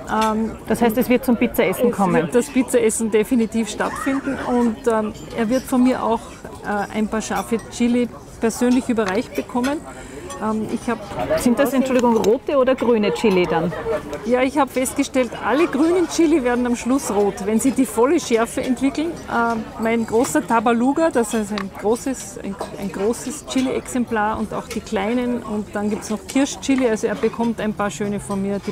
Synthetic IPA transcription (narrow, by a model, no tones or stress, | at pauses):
ʔɛmd̥ashaɪstɛsv̥ɪɐt̚t͡sʊmpɪt͡sɐɛsn̩kʰɔmənd̥aspɪt͡sɐʔɛsn̩definitiːfʃtatfɪndn̩ʊntː | ḛɐvɪɐtfɔnmiːɐʔa̰ʊx | ʔɛːʔa̰ɪnpaːɐʃaɐfət͡ʃɪli | pɛɐzøːnlɪçʔyːbɐʁaɪçt̚b̥əkʰɔmən | ʔɛmɪ̰çhaːbsɪntd̥asɛntt͡ʃʊldɪɡʊŋʁoːtəoːdɐɡ̥ʁyːnət͡ʃɪlidanjaːɪçhaːbəfɛst̚ɡ̥əʃtɛltʔa̰ləɡʁyːnənt͡ʃɪliveːɐdn̩amʃlʊsʁoːtvɛnziːdiːfɔləʃɛɐfəɛntv̥ɪkl̩nʔɛmaɪnɡ̥ʁoːsɐtʰabaluːɡɐd̥asɛsaɪnɡ̥ʁoːsəsʔa̰ɪna̰ɪnɡ̥ʁoːsəst͡ʃɪliʔɛksɛmplaːɐʊnta̰ʊxd̥iːkʰl̥aɪnənʊntd̥anɡiːp̚tsnɔχkʰɪɐʃt͡ʃɪlialzoeːɐbəkʰɔmtaɪ̃npʰaːɐʃøːnəfɔnmiːɐd̥iː